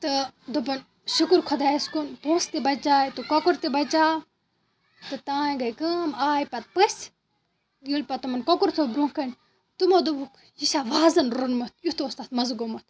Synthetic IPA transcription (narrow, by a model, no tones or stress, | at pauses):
t̪ɨd̪obɐn | ʃukuɾkʰod̪aːjɐskunpoːst̪ebɐt͡ʃaːt̪ukokuɾt̪ebɐt͡ʃaː | t̪ɨt̪ãːɡɐjkɐmaːjpɐt̪̚pɐsʲ | ɡilpɐt̪ɐmɐnkokuɾt̪ʰobɾũŋkɐnʲ | t̪umod̪ubuk | isaːʋaːzɐnɾonmɐt̪̚ʰjut̪ost̪at̪mɐzɡomɐt̪̚ʰ